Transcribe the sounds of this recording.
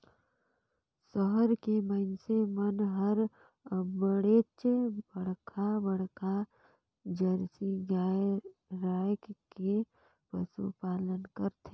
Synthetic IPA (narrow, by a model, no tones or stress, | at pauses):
səɦəɾkeməɪnsemənɦəɾ | bəɽeːt͡ʃebəɽkʰabəɽkʰa | d͡ʒəɾsiɡaː | ɾaːjkke | pəsṵpaːlənkəɾt̪ʰeː